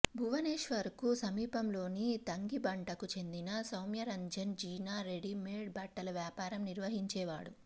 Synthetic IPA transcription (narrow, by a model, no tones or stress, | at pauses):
bʱuʋɐneːʂʋɐɾkusɐmiːpɐmlo̞ːnit̪ɐŋɡibɐɳʈɐkut͡ʃe̞nd̪inɐsɐwmjɐɾɐɲd͡ʒɐnd͡ʒiːnaːɾeɖimeːɖbʱɐʈːɐlɐʋjaːpaːɾɐmniɾʋɐɦiɲt͡ʃɛːʋaːɽu